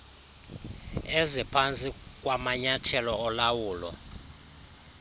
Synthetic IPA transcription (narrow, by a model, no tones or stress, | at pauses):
ezipʰant͡sʼik̬ʼwamaɲatʰɛlɔɔlawuːlɔ̰